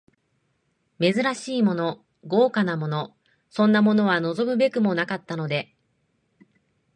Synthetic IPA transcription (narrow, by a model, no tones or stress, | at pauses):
me̞zɨɾaɕiːmo̞no̞ | ɡo̞ːkanamo̞no̞ | sõ̞nːamo̞no̞β̞ano̞zo̞mɯ̟be̞kɯ̟mo̞nakat̪ːano̞d̪e̞